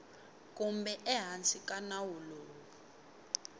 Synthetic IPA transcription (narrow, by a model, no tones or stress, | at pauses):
kʼumbɛʔɛɦant͡sʼikʼanawuloː | i